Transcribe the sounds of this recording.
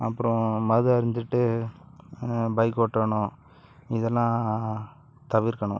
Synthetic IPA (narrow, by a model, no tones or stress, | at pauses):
ɐpːɯɾɔ̃mɐðɯɐɾɪnd̪ɯʈːɯ | bɐɪkːoːʈːɐɳʊ̃ | ɪðɛlːãː | t̪ɐʋɪɾkːɐɳʊ̰̃